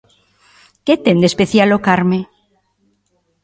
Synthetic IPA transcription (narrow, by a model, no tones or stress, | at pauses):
ket̪end̪espeθjalokaɾmẽ